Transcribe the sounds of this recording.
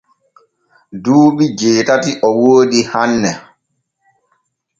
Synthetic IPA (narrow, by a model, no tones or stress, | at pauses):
duːɓid͡ʒeːtatiʔɔwoːɗihanːɛ